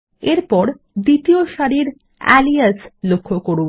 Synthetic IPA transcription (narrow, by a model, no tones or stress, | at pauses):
eɾpɔɾ | d̪it̪ijoʃaɽiɾ | ɛ̰liaslokʰːokoɽu